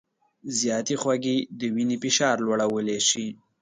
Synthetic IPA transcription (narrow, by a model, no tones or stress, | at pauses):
zjɑt̪exwaɡid̪əwinipɪʃɑɾlwaɽawəleʃi